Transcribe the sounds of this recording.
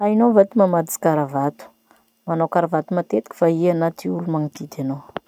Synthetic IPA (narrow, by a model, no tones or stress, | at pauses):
ainovat̪imamad̪i̥kaɾavat̪u̥ | manawkaɾavat̪umat̪et̪i̥kʲi̥faianat̪iulumaŋit̪id̪anow